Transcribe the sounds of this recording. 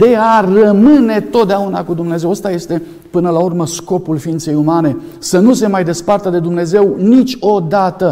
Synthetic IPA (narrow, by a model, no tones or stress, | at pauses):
d̪e̞arəmɨne̞t̪o̞t̪̚d̪eaunakud̪umne̞ze̞wəst̪aje̞st̪e̞ | pɨnəlaurməsko̞pulfiint̪se̞jumane̞ | sənuse̞majd̪e̞spart̪əd̪e̞d̪umne̞ze̞wnit͡ʃʲo̞d̪at̪ə